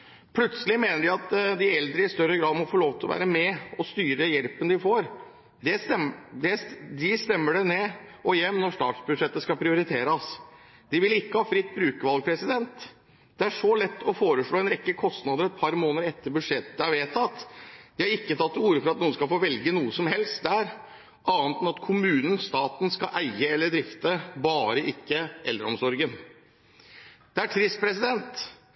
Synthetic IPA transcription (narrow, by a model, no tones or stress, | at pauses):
pʰlʉt̪səlɪmeːnəɖɪɑt̪d̪ɪɛld̪ɾəɪst̪œɾːəɡɾɑːd̪mɔfɔɭoːʋt̪ʰlɔʋæ̰ːɾəmɛɔst̪yːɾəjɛlpənd̪ɪfoːɾ | d̪ɛɛd̪ɛd̪ɪst̪ɛmːəɖɛnɛɔjɛmnɔɾʂt̪ɑ̰ːʈsbʉd̪ʂɛt̪ːəskɑpʰɾɪʊɾɪt̪ʰeːɾəs | d̪̥ɪʋɪlɪkːəhɑːfɾɪt̪ːbɾʉːkəʋɑlɡ̚pʰɾɛsɪd̪ɛnt̪ | d̪̥ɛæʂɔlɛt̪ːɔfoːɾəʂɭoːɛnɾɛkːəkʰɔst̪nɑːd̪əɾɛt̪̚pʰɑɾmoːnəɾɛt̪ːəɾbʉʂɛt̪ːəd̪əɑɾʋeːt̪ʰɑt̪ːd̪̥ɪhɑɾɪkːət̪ʰɑt̪ːuːɾəfɔɾɑt̪nuːən̩skɑlfoːʋɛlɡənuːəsɔmhɛlst̪̚d̪æɾ | ʔɑːnt̪nɑt̪kʰʊmʉːnən̩st̪ɑːt̪n̩skɑʔæɪəɛlːəɖ̪ɾɪft̪əbɑːɾəʔɪkːəʔɛlːəɾɔmsɔɾɡən | d̪̥ɛæʈʰɾɪst̪̚pʰɾɛsɪd̪ɛnt̪